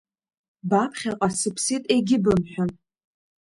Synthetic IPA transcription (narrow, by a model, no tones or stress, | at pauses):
bapʰχʲaqʷʼasɨpʰsitʼe̞jɡʲɪbɨmħʷᶣʊn